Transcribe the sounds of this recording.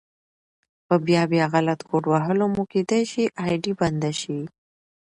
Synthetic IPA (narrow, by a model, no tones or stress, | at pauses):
pəbjɑbjɑɣalat̪koʈwaɦəlomuked̪ajʃiʔɑjɖiband̪aʃi